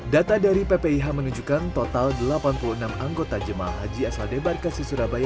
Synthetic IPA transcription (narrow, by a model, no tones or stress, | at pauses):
dat̪adaɾipepeiɦaməŋəd͡ʒukant̪ot̪aldəlapanpuluənamaŋɡot̪ad͡ʒəma̰ɦad͡ʒiasladebarkasəsuɾabaja